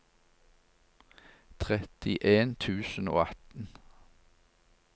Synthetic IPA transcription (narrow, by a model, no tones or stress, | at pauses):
t̪ʰʁɛt̪ɪʔeːnt̪ʰʉːsən̩o̰ːɑt̪n̩